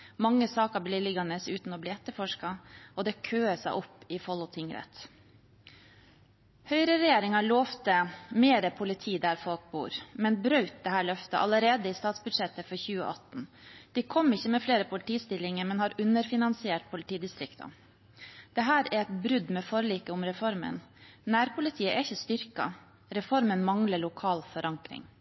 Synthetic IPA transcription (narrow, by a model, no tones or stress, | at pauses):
mɑŋːəsɑːkɑbliːlɪɡɑnəsʉ̰ːt̪n̩ɔbliːɛt̪ːəɾfɔʂkɑɔd̪ɛkʰøːəsæɪʔɔpːɪfɔlʊt̪ʰɪŋɾɛ̰t̪ | hœʏɾəɾɛjeːɾɪŋɑɭoːft̪əmeːɾəpʰʊlɪt̪ʰiːd̪æɾfɔlk̚bṵːɾmɛnbɾœʉt̪̚d̪ɛɦæːɭœft̪əʔɑ̰ləɾeːd̪əɪst̪ɑːt̪sbʉd̪ʂɛt̪ːəfɔɾçʉːə̰ʔɑt̪n̩ | d̪̥ikʰɔmːɪçːəmɛfleːɾəpʰʊlɪt̪ʰiːst̪ɪlɪŋəɾmɛnhɑːɾʉnəɾfɪnɑnsɪeːʈ̚pʰʊlɪt̪iːd̪ɪst̪ɾɪkt̪ʰɑ̰ | d̪̥ɛɦæːɾæɾɛt̪bɾʉd̪mɛfɔɾəliːkəʊmɾɛfɔɾmə̰nnæːɾpʰʊlɪt̪ʰiːəʔæɾɪçəst̪ʏɾkɑ̰ | ɾɛfɔɾmənmɑŋləɭʊkʰɑːlfɔɾʔɑŋkɾɪ̰ŋ